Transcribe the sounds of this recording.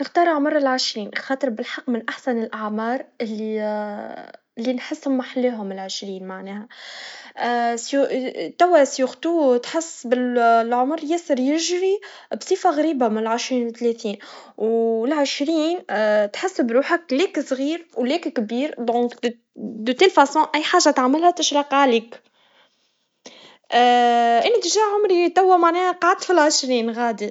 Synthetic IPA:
nɪxt̪ɑːɾˤʕmɑɾˤɪlʕɪʃɾiːnxɑːt̪ˤɨɾbɪlħɑqːmɪnʔaħsanɪlʔaʕmɑːɾˤʔɪlːi | lːinħɪsːʊmaħalːeːɦʊmɪlʕɪʃɾiːnmaʕneːha | sjut̪awasjuxt̪uːt̪ħɪsːbɪllʕʊmɾˤjɪsɪɾjɪʒɾi | bsˤiːfaɣaɾiːbamɪnɪlʕɪʃɾiːnwɪt̪ːleːt̪iːnwlʕɪʃɾiːnt̪ħɪsːbɾuːħakleːksˤɣiːɾwleːkkbiːɾd̪ɔ̃k̪ | d̪ot̪elfæsɔ̃ːʔæjːħaːʒat̪aʕmɪlhæt̪ɪʃɾɑqʕliːk | ʔʔɪnːt̪ʒæːʕʊmɾit̪æwːæmaʕnɛːhqɑʕd̪̚t̪filʕəʃɾiːnɣaːd̪i

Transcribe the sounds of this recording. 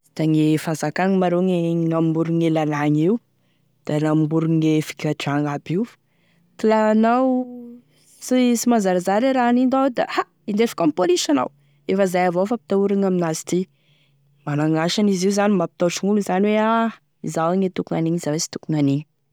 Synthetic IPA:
d̪̥aŋefanzakaŋimaɾoŋenambuɾuŋelalaɲiu | d̪̥alambuɾuŋefi̥kʲaʈ͡ʂaŋabi | t̪ilanaw | sisimazaɾazaɾiɾanind̪awed̪a̰ha | ind̪efḁkompolisana̰w | efəzajavofapi̥t̪auɾaŋaminazi̥t̪i | manaŋaʃaniziuzanimapi̥t̪aʈ͡ʂuŋuluzaniwea | izawŋet̪ukuŋaniɲiz̥awesi̥t̪u̥kuŋaniɲu

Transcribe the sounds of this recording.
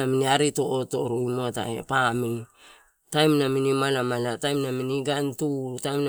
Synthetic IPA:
aminiaɾito̞ʔoto̞ɾuimo̞ta̰ḛpamini | tajmnaminimalamalatajmnaminiɡantutajmn

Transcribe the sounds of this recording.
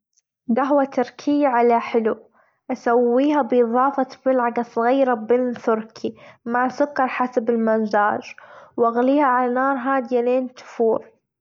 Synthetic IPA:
ɡaɦwat̪ʊɾkʰɪjːaʕalaħɪlu | ʔasawːiːɦabʔɨðˤɑːfɑbɪlʕaɡasˤɑɣiːɾabɪnt̪ʊɾkʰimaʕsʊkːɑɾˤħasabɪlmʊnzaːd͡ʒwʔaɣliːhaʕalanɑːɾˤɦaːd̪ɪjaleːnt̪ʊ̥fuːɾˤ

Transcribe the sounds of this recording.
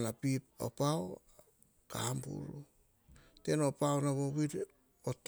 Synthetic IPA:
napip̚o̰pao | ka̰hambṵɾu | te̞no̞paonaβoβiɾ | ot

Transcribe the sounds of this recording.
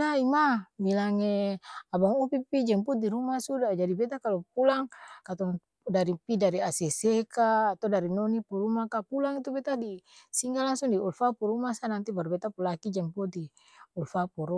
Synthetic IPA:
aimamilaŋeabaŋupipid͡ʒɛmput̪̚iɾumasudad͡ʒadibɛt̪akalɔp̚ulaŋkat̪ɔŋ | daɾipidaɾiasɛsekaːt̪ɔdaɾinɔnipuɾumakapulaŋit̪ubɛt̪adisiŋɡalaŋsuŋdiulfapuɾumasanant̪ibarbɛt̪apulakid͡ʒɛmpui | ulfapuɾu

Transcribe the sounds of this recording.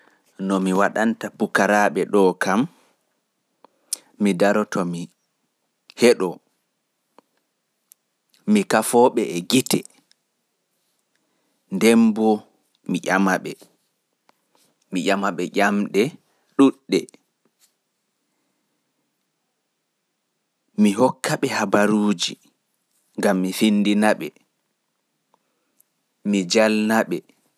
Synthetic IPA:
nɔmiwaɗantabukaɾaːɓɛɗɔkam | idaɾɔtɔmi | hɛɗɔ | mikafɔːɓɛɛɡitɛ | ndɛmbɔ | miʔamaɓɛ | miʔamaɓɛʔamɗɛ | ɗuɗːɛ | miɦɔkːaɓɛhabaɾuːd͡ʒi | ŋɡamːifinːdinaɓɛ | mid͡ʒalnaɓɛ

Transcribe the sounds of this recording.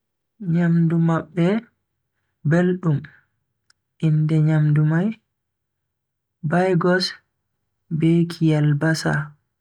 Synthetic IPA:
ɲamdumaɓːɛ | belɗum | ʔindɛɲamdumaj | bajɡɔs | bekʰijalbasa̰

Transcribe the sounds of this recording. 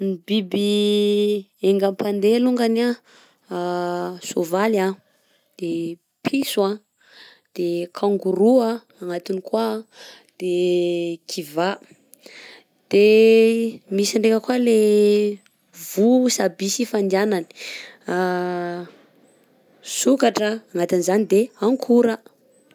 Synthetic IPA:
nibibi | eŋɡampand̪eluŋɡana | sovala | d̪̥e | pʰisua | d̪̥ekʰaŋɡuɾuaː | ŋat̪inikwa | d̪̥e | kʰiva | d̪̥e | misiɳɖ͡ʐekəkwale | vusabisifand̪ianani̥ | sukaʈ͡ʂəːŋat̪inizanid̪eaŋkʰuɾə

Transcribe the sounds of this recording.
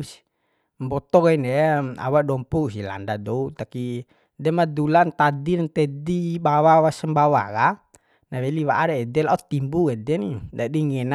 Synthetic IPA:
s | mbɔt̪ɔkainɛa̰wadɔmpuus̬ila̰ndadɔut̪aki | dɛmad̪ulant̪adirnt̪ɛdibawawasəmbawa̰ka | naβɛliwaʔaɾɛːdɛlaut̪imbukɛdɛnid͡ʒadiŋɛna

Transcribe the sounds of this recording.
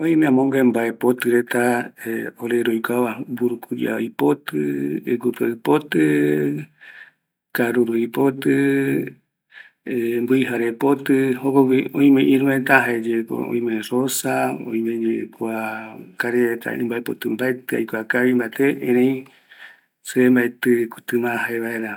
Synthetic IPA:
õĩmẽãmõŋɡembaepot̪ɨɾet̪aeoɾeɾojkʷaβabuɾukud͡ʒa̰jpot̪ɨeɡup̪aɨpot̪ɨ | kaɾuɾuipot̪ɨ | mbɨiɦaɾepot̪ɨhokokiõĩmẽʔĩɾuẽt̪aɦaed͡ʒeko̰õ̰ĩmẽrosaõ̰ĩmẽd͡ʒekuakaɾet̪a̰ɨ̰̃mbaepot̪ɨmbaet̪ɨa̰jkʷakaβimbat̪eʔẽɾẽj̃ | sɨembaet̪ɨku̥t̪ɨmãɦaeβaeɾa

